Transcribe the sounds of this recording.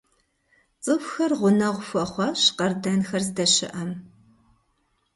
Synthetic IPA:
t͡sʼɨfʷxɐrʁʷʊnɐʁʷʊfɐχʷɑɕqɐrdɐnxɐrzdɐɕɪ̰ʔɐm

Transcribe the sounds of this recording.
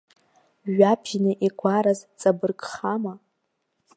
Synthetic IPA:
ʒapʰinɨʔiɡʷʰaɾazt͡sʼabɨrkʼχama

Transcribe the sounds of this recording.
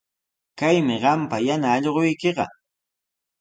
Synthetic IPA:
kajmɪɢɑmpajanaːʎɢojkeɢɑ̰

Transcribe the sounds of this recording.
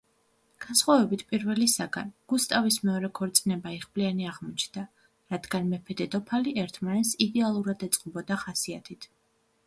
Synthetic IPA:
ɡ̥ansχwavɛbit̪ʰpʼiɾvɛlisaɡa̰nɡ̥ust̪ʼavismɛɔɾɛkʰɔɾt̪sʼnɛbaiχblianiaʁmɔt͡ʃʰnd̪a | ɾad̪ɡanmɛpʰɛd̪ɛd̪ɔpʰaliʔɛɾt̪ʰmanɛt̪sid̪ɛalˠuɾad̪ɛt̪sʼqʼɔbɔd̪aχasiat̪ʰit̪ʰ

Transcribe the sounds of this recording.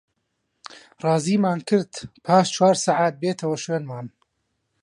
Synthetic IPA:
rɑːziːmaːnkʰɨɾt̪pʰaːʃt͡ʃʰwaːɾsaʕaːt̪̚beːt̪ʰɐwɐʃweːnmaːn

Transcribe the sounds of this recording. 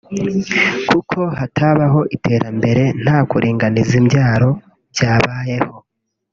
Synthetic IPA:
kʰukʰo̞hatʰaβaɦo̞ʔitʰe̞ːɾʔambe̞ɾe̞n̥haːkuɾʔiːŋɡanizimɟaːɾo̞ | bjaːβaːje̞ho̞

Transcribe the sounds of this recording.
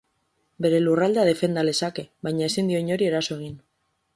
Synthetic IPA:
be̞ɾe̞lurald̪eað̞e̞fe̞nd̪ale̞sake̞βajɲae̞sind̪io̞ɲo̞ɾie̞ɾaso̞e̞ɣ̞in

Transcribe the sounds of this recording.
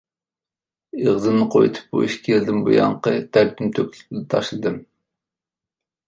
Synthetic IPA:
eʁzɨnnɨqʰo̰jt̪ʰu̥p̚bo̰jiʃkʲʰeld̪ɪnbo̰jɑ̰ɴqət̪ʰæɾt̪ʲymt̪ʰøkʲlɪ̥pʲd̪ɛt̪ʰɑʃlˠɨd̪ɨm

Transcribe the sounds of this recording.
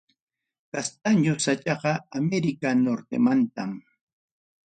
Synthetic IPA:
kast̪aɲosat͡ʃɑɢɑameɾɪkanoɾt̪ḛmant̪am

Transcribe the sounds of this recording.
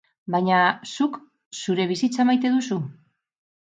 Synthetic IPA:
bajɲasuk | suɾe̞β̞isit͡samajt̪e̞ðusu

